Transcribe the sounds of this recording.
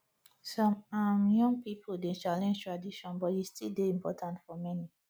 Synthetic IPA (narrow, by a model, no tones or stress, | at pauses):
sɔ̃mamjɔ̃ŋɡ̚pipʰoldet͡ʃalɛ̃nd͡ʒtɹadiʃɔ̃nbɔtistildeĩmpɔtʰãntfɔmɛni